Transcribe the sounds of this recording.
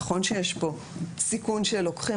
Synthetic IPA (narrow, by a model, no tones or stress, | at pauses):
χo̞nʃejeʃbo̞ | sikunʃelo̞kχi